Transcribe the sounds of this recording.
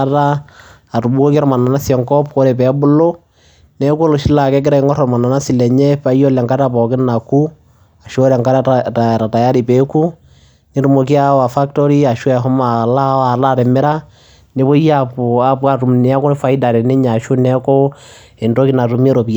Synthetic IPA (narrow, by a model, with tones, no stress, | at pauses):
aɾa˦ | a˨ɾu˨bu˦o˦kɾɔ˦ma˨na˨na˦sɛ˨ŋkɔ˦pko˦ɾe˨pɛ˦bʊ˦lo˦ | nɛ˦kːlo˨ʃi˦la˨kɛ˦k̬ɪ˦ɾa˨i˦ŋɔ˦ɾɔ˨ɾma˨na˨na˦si˨lɛ˨ɲɛ˦pa˦ijɔ˦lɛ˨ŋka˦ta˨pɔ˨kɪ˦na˨ku˦ | a˨ʃo˦ɾɛ˨ŋka˦a˨ɾa˨ta˨ja˦ɾi˨pe˦ku˦ | ni˦ɾu˦mo˨k̬i˦a˦wa˨fa˦k̚tɔ˦ɾi˦a˨ʃwɛ˨ɦɔ˦ma˨la˦a˨ɾa˦˨ɾɛ˨mɪ˦ɾa˦ | ne˦βo˦a˦pu˨a˦pwa˦˨ɾu˨mne˨a˦ko˦ne˦fa˦i˦da˨ɾɛ˨ne˦ɲa˨ʃu˦nɛ˦ko˦ | e˨ndo˦ki˦na˨tu˨me˦ɾo˨pi˨a˨